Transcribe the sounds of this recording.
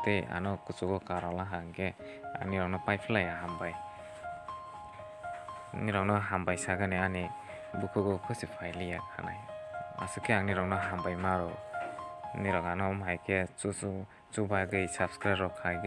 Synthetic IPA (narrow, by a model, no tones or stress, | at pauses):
teja̰nɔkut͡ʃuɡɔkaɾɔlaɦaŋɡe | a̰ŋniɾɔŋnɔpajpʰilajaɦambaj | niɾɔŋnɔɦambajsaɡaneani | bukʰɯɡɔkʰɯsipʰajlijakʰa̰na̰ja̰sɯkʰeaŋniɾɔŋnɔɦambajmaɾɔ | niɾɔŋanɔmɦajkʰe | t͡ʃubajɡɯsapskɾaɾɔkʰaɡ